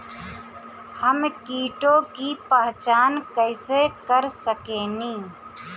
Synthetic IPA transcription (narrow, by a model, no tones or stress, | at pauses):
həmkiːʈõːkipəːt͡ʃaːnkəɪsekəɾsəkeːnĩː